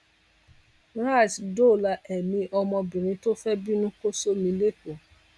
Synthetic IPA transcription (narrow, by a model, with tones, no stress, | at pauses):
ɾa˦˨sdo˦˨la˧ʔɛ˨mĩ˧ʔɔ˧mɔ̃˧bĩ˨ɾ̃ĩ˧to˦fɛ˦bi˦nũ˦ko˦so˦mĩ˧le˦ko˨